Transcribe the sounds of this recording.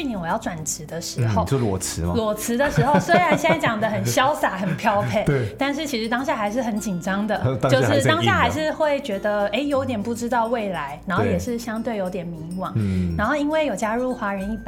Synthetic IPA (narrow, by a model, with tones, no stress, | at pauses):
y˥˧ni˧˦ŋwɔ˨˩jɑ˥˩ʊʈ͡ʂwa˨˩nʈ͡ʂɻ̩˧˥d̪ə˧ʂɻ̩˧˥xo˥˧ʊo˥˧ɔ˨˩t͡s̩ʰ˧˦˧lwɔ˨˩t͡s̩ʰ˧˥d̪ə˧ʂɻ̩˧˥xo˥˧ʊswe˥ɪɻa˧˥nɕɛ˥˩nt͡ɕjɑ˨˩ŋd̪ə˦xə˨˩nɕjɑ˥ʊsa˨˩xə˨˩npʰjɑ˥˧ʊpʰe˥˩˥t̪a˥˧nʂ̬ɻ̩˥˩t͡ɕʰi˧˥ʂɻ̩˧˥t̪ɑ˥ŋɕ̬ja˥˩xa˧˥ɪʂ̬ɻ̩˥˩xə˨˦nt͡ɕi˨˩nʈ͡ʂɑ˥ŋd̪ə˨t͡ɕjo˥˧ʊʂɻ̩˥˧t̪ɑ˥ŋja˥˩xa˧˥ɪʂɻ̩˥˧xwe˥˩ɪt͡ɕɥɛ˧˥d̪ə˧e˥ɪjo˧˥ʊt̪jɛ˨˩npu˥˩ʈ͡ʂɻ̩˥t̪ɑ˥˧ʊwe˥˩ɪla˧˥ɪna˧˥nxo˥˩jɛ˨˩ʂɻ̩˥˩ɕjɑ˥ŋt̪we˥˩ɪjo˧˥ʊt̪jɛ˨˩nmi˧˥ŋwɑ˨˩˦na˧˥nxo˥˩ʊi˥nwe˥˩ɪjo˨˩ʊt͡ɕja˥ɻu˥˩xwa˧˥ɻə˧˦ni˥˩